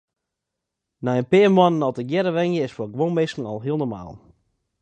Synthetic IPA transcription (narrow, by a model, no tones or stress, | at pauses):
najənpɪəmwɔnənɔlˠtəɡjɛɾəʋɛŋjəɪsfɔɡəʋonmeskən̩ɔlˠɦiəlˠnoma̰ːlˠ